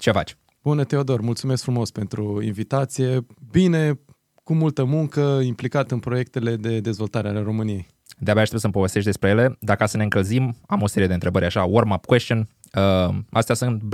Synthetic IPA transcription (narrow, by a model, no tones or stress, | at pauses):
t͡ʃe̞fa̰t͡ʃ | b̥unət̪e̞od̪o̞rmult̪sume̞skfɾumo̞spe̞nt̪ɾuḭnvit̪at̪sije̞bine̞ | kumult̪əmuŋkəimplikat̪ɨnpɾo̞je̞kt̪e̞le̞d̪e̞d̪e̞zvo̞lt̪aɾeale̞ɾo̞mɨnije̞j | d̪eabeaʃt̪esəmpo̞ve̞st̪eʃ̬ʲd̪espɾe̞jele̞d̪akəasəne̞ɨŋkəlzimamo̞se̞ɾied̪ent̪ɾe̞bəɾʲaʃawormapkwest̪ion | əast̪easɨnt̪